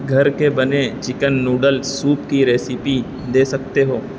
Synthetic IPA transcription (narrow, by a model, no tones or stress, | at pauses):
ɡʱɐɾkebɐnet͡ʃɪkənːuːɖəlsuːpkiɾeːsɪpi | d̪eːsɐk̚t̪eɦoː